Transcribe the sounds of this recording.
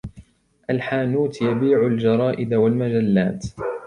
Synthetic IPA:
ʔalħaːnuːt̪jabiːʕʊld͡ʒɑɾˤɑːʔɪd̪walmad͡ʒalːaːt̪

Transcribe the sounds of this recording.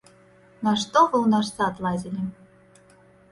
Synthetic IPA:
nɐʂt̪ɔvɨwnaʂsaːd̪lˠad͡zʲilʲɪ

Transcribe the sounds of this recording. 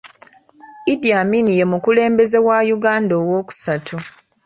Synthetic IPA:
idijaminije̞mukule̞ːmbe̞ze̞wajuɡaːndoːwo̞ːku̥satʰu

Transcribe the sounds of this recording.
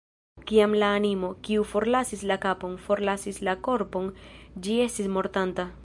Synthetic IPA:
kiamlaːnimo̞kiufo̞ɾlasislakapo̞nfo̞ɾlasislako̞ɾpo̞nd͡ʒie̞stismo̞ɾtanta

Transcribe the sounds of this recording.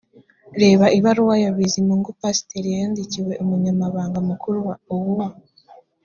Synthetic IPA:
ɾe̞ːβaʔiβaɾuwajoβizimuŋɡupasi̥teɾijeːndiciwe̞ʔomuɲamaβaːŋɡamukʰuɾuwaowuwa

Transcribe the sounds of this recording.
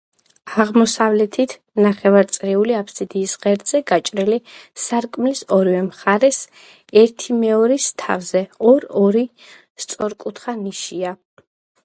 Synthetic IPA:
aʁmɔsavlɛt̪ʰit̪ʰ | naχɛvaɾt̪sʼɾɛuliapʰsid̪iːsʁɛɾd̪z̥ɛɡat͡ʃʼɾɛlisaɾkʼmlisɔɾivɛmχaɾɛs | ɛɾt̪ʰimɛɔɾist̪ʰa̰vzɛɔɾɔɾi | st̪sʼɔɾkʼut̪ʰχaniʃia

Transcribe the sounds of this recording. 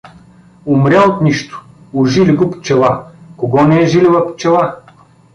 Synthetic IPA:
ʊmɾʲaot̪niʃt̪ʊ̥ | ʊʒiliɡʊpt͡ʃɛlˠakoɡɔnɛːʒilivɐpt͡ʃɛlˠa

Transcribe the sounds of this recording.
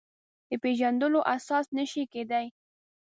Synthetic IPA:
d̪̥əpeʒand̪əloʔasɑsnəʃiked̪aj

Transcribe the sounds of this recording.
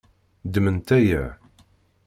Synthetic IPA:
d̪mənt̪æjəʕ

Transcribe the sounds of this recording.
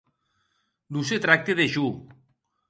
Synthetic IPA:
nuset̪ɾak̚t̪eðeʃu

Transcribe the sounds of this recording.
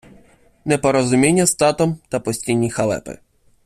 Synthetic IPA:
nɛpɔɾɔzʊmʲinʲːɐst̪ɑt̪ɔmt̪ɐpɔsʲtʲijnʲːixɐlˠɛ̰pɪ̰

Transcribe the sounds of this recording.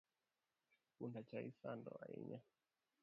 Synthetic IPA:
kundat͡ʃaisandɔ̰aḭɲa

